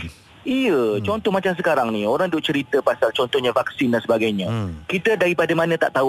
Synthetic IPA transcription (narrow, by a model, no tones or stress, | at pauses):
ijət͡ʃɔnt̪ɔhmat͡ʃams̬əkaɾaŋnioɾaŋdʊʔt͡ʃəɾit̪əpasalt͡ʃɔnt̪ɔhɲãvaksindansəbaɡajɲãkit̪ədaɾipadəmãnə̃t̪a̰ʔt̪au